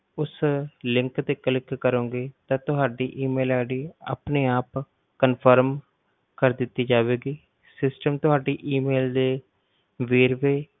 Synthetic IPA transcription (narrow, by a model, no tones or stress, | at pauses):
ʊslɪŋkt̪eːkəlɪkːəɾõːɡeːt̪ãːt̪ʊɦaːɖiːʔiːmeːlaːɽiːa̰ːpneːaːp | kənpʰəɾm | kəɾd̪ɪt̪ːiːd͡ʒaːʋeːɡiː | sɪsʈəmt̪ʊɦaːɖiːʔiːmeːld̪eː | ʋeːɾʋeː